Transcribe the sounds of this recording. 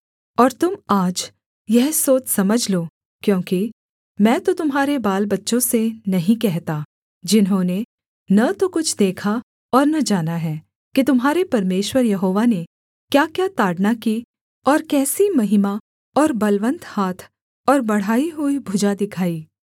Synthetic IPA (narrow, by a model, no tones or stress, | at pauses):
ɔːɾt̪ʊmaːd͡ʒ | jɛɦsoːt͡ʃsɐməd͡ʒʱloː | kjõːki | mɛ̃ːt̪ot̪ʊmɦaːɾebaːlbɐtːʃõsenɐɦĩkɛɦt̪a | d͡ʒɪnɦõne | nɐt̪okʊt͡ʃʰd̪eːkʰa | ɔːɾnɐd͡ʒaːnaɦɛː | kit̪ʊmɦaːɾepɐɾmeːʃwəɾjɐɦoːʋane | kjaːkjat̪aːɖnaki | ɔːɾkɛːsimɐɦɪma | ɔːɾbɐlʋə̃nt̪haːt̪ʰ | ɔːɾbɐɽ̤aːiɦʊibʱʊd͡ʒad̪ɪkʰaːiː